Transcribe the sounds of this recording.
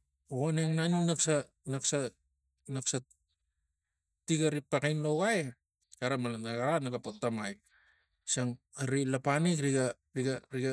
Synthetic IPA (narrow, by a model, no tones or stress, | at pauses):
ɣoneŋnanunaksa | naksa | naksa | tiɡaɾipakajnloɡaj | kaɾamalanaɣaɾanaɡapotːamaj | saŋ | aɾilapanikɾiɡa | ɾiɡaɾiɡa